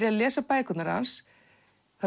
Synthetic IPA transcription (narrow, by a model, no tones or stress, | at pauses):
ɾɪaðlɛːsapaːjkʏt̪naɾha̰ns | θa